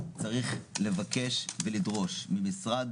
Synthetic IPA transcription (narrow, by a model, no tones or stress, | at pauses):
t͡saʁiχle̞vake̞ʃvelid̪ʁo̞ʃmimisʁad̪